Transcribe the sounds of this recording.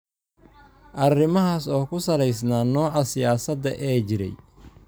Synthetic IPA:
ʔɐrɪmɐɦaːsɔːkʰʊsɐlɛjsnaːnɔːʕɑsɪjaːsɐd̪ɐ̰ʔɛːt͡ʃɪɾɛ̰j

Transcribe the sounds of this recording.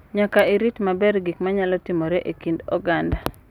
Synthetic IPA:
ɲakaiɾitmabɛɾɡikmaɲalɔtimoɾɛʔekindɔ̰ɡanda

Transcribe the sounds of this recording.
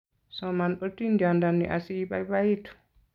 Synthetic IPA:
sɔmanɗotindiandanːḭʔa̰siːbajbaitu̥

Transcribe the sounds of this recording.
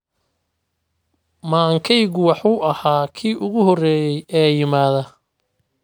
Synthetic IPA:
maːŋkʰɛjɣʊwɑħuːʔɐhaːkʰiːʔʊɣʊhɔrɛːjɛjʔɛːjɪmaːðɐ

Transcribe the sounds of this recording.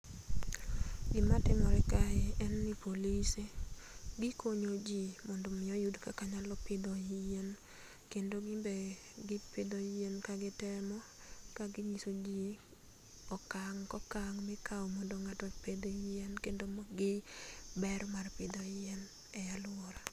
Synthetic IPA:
ɡɪmatɪmɔɾɛkaɛɛnːipoliseɡɪkoɲod͡ʒimɔndomɪɔjudkakaɲalɔpɪd̪ɔijen | kendoɡɪbe | ɡɪpɪd̪ɔenkaɡɪtɛmɔ | kaɡɪɲisod͡ʒi | ɔkaŋkɔkaŋmɛkawɔmɔndoŋatɔped̪oienkendomɡɪbɛrmarpɪd̪ɔien | ɛjalʊɔɾa

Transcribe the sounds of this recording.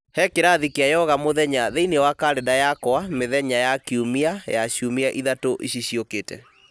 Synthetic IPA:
hɛkeɾaðikiajɛɔɣamoðɛɲaðeinewakaɾedajakɔameðɛɲajakiumiajaɕumiaʔiðatoʔḭɕiɕiokeːtɛ̰

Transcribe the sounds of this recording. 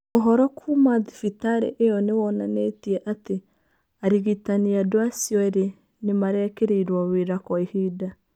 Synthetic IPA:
oɦɔɾɔkʰumaðifitaɾḛʔejɔnewɔnanetiɛʔate | aɾiɣitaniadoasjɔeɾe | nemaɾɛkeɾeiɾwaweɾakɔihida

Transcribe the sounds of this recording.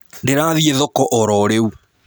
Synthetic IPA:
ndeɾaːðieðɔkɔʔɔɾɔɾeu

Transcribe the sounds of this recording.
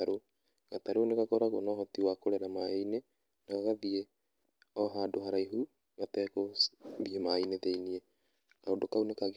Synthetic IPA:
aɾo | ɣataɾonekakoɾaɣonɔɦɔtiwakoɾeɾamaene | naɣaɣaðie | ɔɦadoɦaɾaiɦu | ɣatɛkoβiemaineðeinie | kaodokaunekaɣ

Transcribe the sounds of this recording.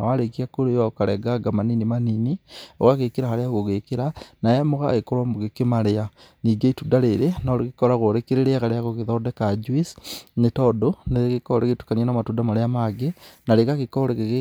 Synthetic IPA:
awaɾekiakoɾejakaɾɛɡaɡamaninimaninio̰ɣaɣekeɾahaɾeaɣoɣekeɾanajɛmoɣa̰ɣekoɾwamoɣekemaɾea | niɡaitudaɾeɾenoɾekekoɾaɣoɾekeɾeɾeaɣaɾeaɣoɣeðɔdekad͡ʒwisnetɔdoneɣekoɾeketu̥kanianamatudamaɾeamaɡenaɾekaɣekoɾekeɣe

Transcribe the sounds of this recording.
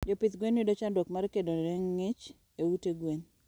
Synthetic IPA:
d͡ʒopɪt̪ɡwenwidot͡ʃandokmaɾkedoɛŋːɪt͡ʃ | ewuteɡwen

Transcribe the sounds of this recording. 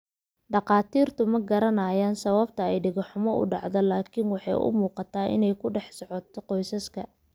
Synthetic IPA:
ɖɑqɑːt̪ʰiːrt̪ʰʊmɐɡɐɾɐnaːjaːnsɐβɐbt̪ʰɐɛjɖɪɣɐħʊmɔʔʊ̰ɖɑʕðɐlaːkʰiːnwɑħɑ̰jʔʊ̰muːqɑt̪ʰaːʔɪ̰nɛjkʰʊɖɛħsɔʕɔt̪ʰɔqɔjsɐskʰɐ

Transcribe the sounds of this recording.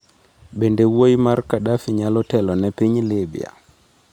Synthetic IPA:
bendewojimaɾkaɗafiɲalɔtɛlɔnepiɲlebḭa̰

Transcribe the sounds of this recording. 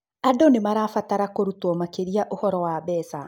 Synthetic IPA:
adonemaɾaːfataɾakoɾutɔmakeɾiaʔohɔɾɔwaβɛːsa

